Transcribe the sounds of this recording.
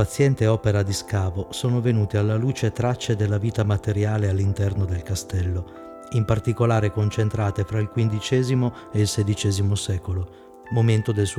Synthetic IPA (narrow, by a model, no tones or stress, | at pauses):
at̪sːjɛnt̪eɔːpeɾad̪iskaːvosoːnovenuːt̪ealːaluːt͡ʃet̪ɾat͡ʃːed̪elːaviːt̪amat̪eɾjaːlealːint̪ɛrnod̪elkast̪ɛlːo | impart̪ikolaːɾekont͡ʃent̪ɾaːt̪efɾailkwind̪it͡ʃɛːzimo | eilsed̪it͡ʃɛːzimosɛːkolo | moment̪od̪els